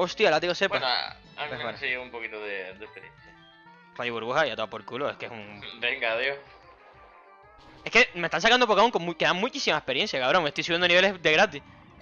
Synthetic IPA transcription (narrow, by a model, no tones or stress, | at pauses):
ost̪ialat̪̬ikosepano̰ | a̰eenseioumpokit̪oðed̪ehpeɾjḛnθja | rajoβuɾβuhajat̪oapoɾkuloeskeesuŋbeŋɡaðjoh | e̞ske̞me̞t̪ãns̬akand̪opokauŋkoŋmukeðaŋmut͡ʃisimaehpeɾje̞nsjakaβɾo̞ŋmest̪ojsujend̪oniβeled̪e̞ɣɾat̪ih